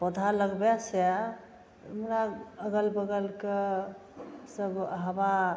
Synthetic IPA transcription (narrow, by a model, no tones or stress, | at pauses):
pəd̪ʱaləɡbɛsa | əmɾaəɡəlbəɡəlke | səbɦəba